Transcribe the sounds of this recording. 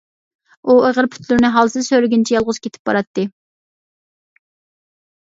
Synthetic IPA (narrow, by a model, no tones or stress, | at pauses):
ueʁəɾpʰy̥t̪ʰlyɾnɪɦɑlˠsɨzsøɾɪɡʲint͡ʃʰɛjɑlˠʁʊz̥kʲʰet̪ʰɪ̥p̚b̥ɑ̰ɾɑt̪ʰːɨ